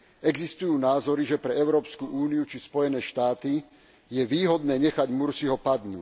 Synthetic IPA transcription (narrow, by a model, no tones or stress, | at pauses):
ɛɡzist̪ujuːnaːzɔɾiʒɛpɾɛɛʊɾɔːpskuʔuːniut͡ʃispɔjɛnɛːʃt̪aːt̪i | jɛʋiːɦɔd̪nɛːɲɛxaɟmuɾsiɦɔpad̪nṵː